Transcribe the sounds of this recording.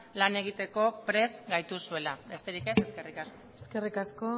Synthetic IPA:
lane̞ɣ̞it̪e̞ko̞pɾe̞zɡajt̪usue̞labe̞st̪e̞ɾikese̞ske̞rikaskoeskerikasko

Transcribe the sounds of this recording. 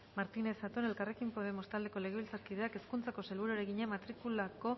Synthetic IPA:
maɾt̪ine̞sat̪one̞lkare̞kimpo̞ðe̞mo̞st̪ald̪e̞ko̞le̞ɣeilt͡saɾkið̞eake̞skunt͡sako̞se̞lβuɾueɾe̞ɣiɲeamat̪ɾikulako̞

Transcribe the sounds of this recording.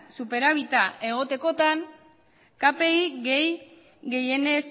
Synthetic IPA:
supe̞ɾaβit̪aʔe̞ɣ̞o̞t̪e̞ko̞t̪an | kape̞iɡej | ɣe̞je̞nes

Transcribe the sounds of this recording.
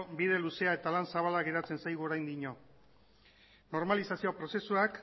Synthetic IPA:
biðe̞luse̞ae̞t̪alansaβalaɣe̞ɾat͡se̞nsajɣuo̞ɾajnd̪iɲo̞ | no̞ɾmalisasio̞pɾo̞se̞suak

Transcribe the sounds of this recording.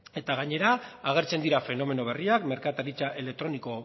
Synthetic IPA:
e̞t̪aɣaɲe̞ɾaːɣ̞e̞ɾt͡se̞nd̪iɾafe̞no̞me̞no̞βeriakme̞ɾkat̪aɾit͡saʔe̞lek̚t̪ɾo̞niko̞

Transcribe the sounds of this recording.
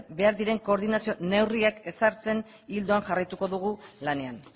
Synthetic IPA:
be̞aɾðiɾe̞ŋko̞ːɾðinasio̞ne̞wriake̞saɾt͡se̞n | ild̪oaŋʝarajt̪uko̞ðuɣ̞ulane̞an

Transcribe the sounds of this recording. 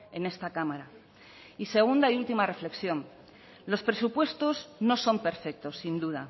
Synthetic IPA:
e̞ne̞st̪akamaɾa | ise̞ɣ̞und̪aiult̪imare̞fle̞ksjo̞n | lo̞spɾe̞supwe̞st̪o̞zno̞so̞mpe̞ɾfe̞k̚t̪o̞sːind̪uð̞a

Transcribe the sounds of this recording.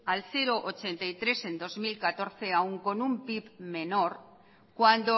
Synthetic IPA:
alθe̞ɾo̞ʔot͡ʃe̞nt̪ajt̪ɾe̞se̞nd̪o̞zmilkat̪o̞ɾθe̞auŋko̞numpipme̞no̞ɾ | kwand̪o

